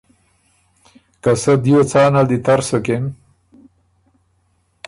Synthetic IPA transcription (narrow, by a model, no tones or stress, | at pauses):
kasad̪jot͡sɑːnad̪it̪aɾsoken